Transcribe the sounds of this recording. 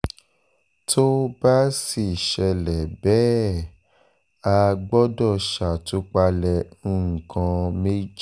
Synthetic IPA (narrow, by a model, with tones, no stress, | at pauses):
tʰo˦ba˦si˨ʃɛ˧lɛ˨bɛ˨˦ | a˧ɡ͡bɔ˦dɔ˦˨ʃa˨to˧˦k͡pa˧lɛ̃˨˦ŋ̩˨kã˧me˦d͡ʒ